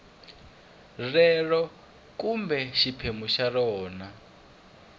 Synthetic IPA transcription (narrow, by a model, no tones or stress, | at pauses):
rɛɺɔ | kumbɛʃipʰemuʃarɔːna